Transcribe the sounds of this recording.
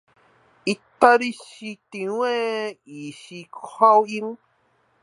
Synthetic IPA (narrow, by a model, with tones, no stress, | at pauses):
i˧t̪a˦ɾi˧ʃi˧t̪i˧ũ˦e˦i˨ʃi˧ka˦wi˦˧ŋ